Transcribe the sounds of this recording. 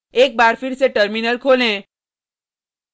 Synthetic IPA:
ek̚baɾfiɽt͡sẽʈəɾminəlkʰolẽ

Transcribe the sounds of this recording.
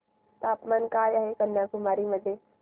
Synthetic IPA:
t̪aːpmaːnkaːjaɦekɐnːakʊmaːɾiməd̪ʱeː

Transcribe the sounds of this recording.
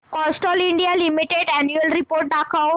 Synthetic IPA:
kɔsʈɔlĩɳɖijalimiʈeɖɛnjuəlɾipoːɾʈ̚ɖakʰa

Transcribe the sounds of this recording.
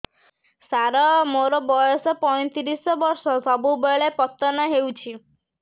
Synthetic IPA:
saɾɔmoɾɔbɔjɔsɔpɔj̃t̪iɾisɔbɔɾsɔsɔbubeɭepɔt̪ːɔnaɦewt͡ʃʰi

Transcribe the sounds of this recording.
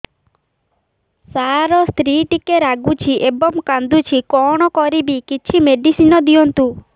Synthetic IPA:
saɾɔst̪ɾiʈikeɾaɡut͡ʃʰiʔebɔmkand̪ut͡ʃʰikɔɽ̃ɔkɔɾibikit͡ʃʰimeɖisinɔd̪iɔnt̪u

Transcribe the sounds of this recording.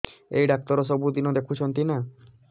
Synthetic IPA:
ejɖak̚t̪ɔɾɔs̬ɔbud̪inɔd̪ekʰut͡ʃʰɔnt̪ina

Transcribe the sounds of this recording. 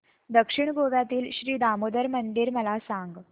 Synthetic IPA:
d̪əkʂiɳɡoʋjat̪iːlɕɾiːd̪amod̪əɾmənd̪iɾməlasãŋɡ

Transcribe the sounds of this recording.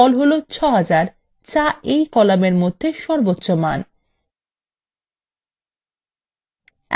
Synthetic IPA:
ɔlɦolot͡ɕʰɔɦad͡ʑaɾ | t͡ɕaejkɔlameɾmod̪ʱːeʃɔɾbot̪ːɕoman

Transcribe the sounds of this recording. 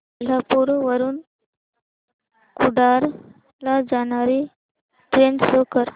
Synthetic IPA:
lapuɾoʋəɾuːn | kuɖaɾ | lad͡ʒanaːɾi | ʈɾeːnɖsokəɾ

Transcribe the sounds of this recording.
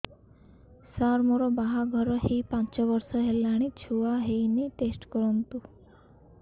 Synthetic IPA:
saɾmɔɾɔbaɦaɡʱɔɾɔɦipãnt͡ʃɔbɔɾsɔɦelːaɽ̃it͡ʃʰuaɦejniʈesʈkɔɾɔnt̪u

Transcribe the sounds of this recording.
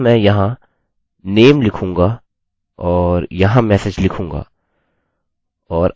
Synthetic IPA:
mɛ̃jɐɦã | neːmlɪkʰũːŋ̆ɡa | ɔːɾjɐɦãmɛːsed͡ʒlɪkʰũːŋɡa̰ː | ɔːɾ

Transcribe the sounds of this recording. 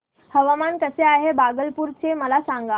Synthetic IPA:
həʋamankəseaɦebaɡəlpuɾt͡ɕeməlasãŋɡa

